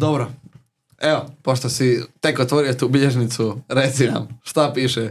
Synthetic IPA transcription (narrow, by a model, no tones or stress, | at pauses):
d̪obɾo | eopoʃt̪osit̪ekot̪ʋoɾiot̪uːbiʎeʒnit̪suɾet̪sina̰mʃt̪apiːʃɛ